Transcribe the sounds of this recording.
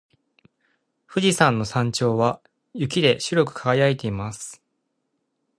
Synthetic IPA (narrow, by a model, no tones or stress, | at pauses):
ɸɯ̟ʑisãnːo̞sãɲ̟t͡ɕo̞ːβa | jɯ̟k̬ʲid̪e̞ɕɨɾʲo̞kɯ̟̥kʰaɡajait̪e̞imasɨ̥